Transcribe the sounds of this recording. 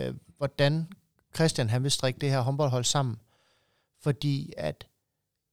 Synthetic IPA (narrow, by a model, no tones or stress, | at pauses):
ʋɒd̥æn | kʰʁɛsd̥jænɦænʋe̝sd̥ʁeɡ̥əd̥e̝hæɐɦɒ̽nb̥ɒ̽l̰ɦɒ̽l̰sɑ̈m̰n̩ | fɒ̽d̥ḭːæd̥